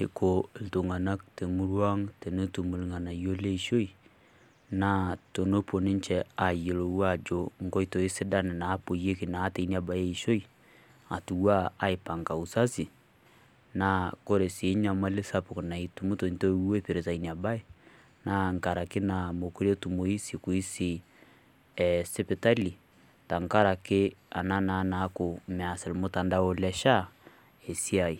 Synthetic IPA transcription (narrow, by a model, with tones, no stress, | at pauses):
e˨ko˨e˨lto˨ŋa˨na˦kte˨mu˦ɾwa˦ŋte˨no˦tu˨mu˨lŋa˨na˨jo˦le˦i˨ʃo˦i˨ | na˦to˨no˦po˨ni˦n˦t͡ʃɛ˨a˨je˨lo˨wa˦˨d͡ʒo˨ŋ̩˦ɡo˦i˦to˨i˦sɪ˦da˦nɪ˨na˨˦po˨je˦ki˨na˨˦te˨˦ni˦a˨ba˨je˦i˨ʃo˦i˨ | a˨tu˨wa˦a˦i˨pa˨ŋka˨u˨sa˦si˨ | na˦ko˦ɾe˨sɪ˨˦ɲa˨ma˦lɪ˦sa˦pʊ˨kna˨i˨˦tu˨mʊ˦to˨n˦to˦we˦pe˨ɾe˨sa˨i˦ni˨a˨ba˦e˦ | na˦ŋ˨ka˨ɾa˨kɪ˦na˨mo˨ko˦ɾe˦tu˨mo˨i˦si˨kʊ˨i˦sɪ˨ | ɛsɪ˦pɪ˨ta˦li˨ | ta˨ŋka˦ɾa˨kɪ˦a̰˨na˦na˨˦na˨˦kʊ˨mɛ˨a˨sɪ˨lmʊ˦ta˨nda˦o˨˦lɛ˦ʃa˦ | e˨si˦a˨i˨